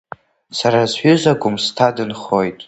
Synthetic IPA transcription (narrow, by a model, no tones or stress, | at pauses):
saɾazħʷᶣʏzaɡʷʊmstʰadɨnχojtʼ